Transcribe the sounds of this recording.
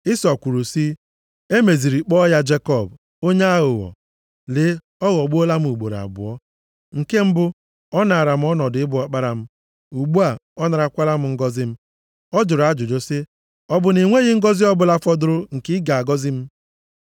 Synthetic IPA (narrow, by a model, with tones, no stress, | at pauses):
ɪ˦sɔ˨kʷu˨ɾu˨si˦ | e˦me˨zi˨ɾi˨k͡pɔ˦ja˦d͡ʒe˦kɔ˦˨b | o˦ɲe˦a˦ɣʊ˨ɣɔ̰˨ | le˨˦ | ɔ˦ɣɔ˨ɡ͡bu˦o˦la˦m̩˦u˨ɡ͡bo̰˨ɾa̰˨bʊ̰˨ɔ˦ | ŋ̩˨ke˦m̩˦bʊ˦ | ɔ˦na˨ɾa˨m̩˦ɔ˦nɔ˨dɪ˦bʊ˨ɔ˦k͡pa˦ɾa˨m̩˦ | u˨ɡ͡bu˦a˨ɔ˦na˨ɾa˨kʷa˦la˦m̩˦ŋ̩˦ɡɔ˦zɪ˦m̩˦ | ɔ˦d͡ʒʊ˨ɾa˦d͡ʒʊ˨d͡ʒo˦sɪ˦ | ɔ˦bʊ˨ni˨ŋʷe˦ɣɪ˦ŋ̩˦ɡɔ˦zi˦ɔ˦bʊ˨la˦fɔ˦dʊ˦ɾʊ˦ŋ̩˨kɪ˦ɡa˨a˨ɡɔ˦zɪ˦m̩˦